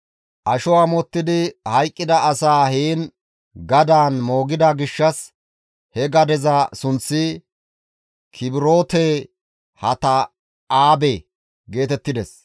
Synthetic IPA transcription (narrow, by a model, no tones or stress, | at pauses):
ʔɐʃɔwaːmɔt̪ːɪd̪ɪhɐjkʼːɪd̪ɐɐsaːɦiːn | ɡɐd̪aːnmo̞ːɡɪd̪aɡɪʃːɐs | hɛɡɐd̪ɛzɐsʊnt͡sːɪ | kʰɪbɪɾo̞ːt̪eː | hɐt̪ɐ | aːbeː | ɡe̞ːt̪ɛt̪ːɪd̪ɛs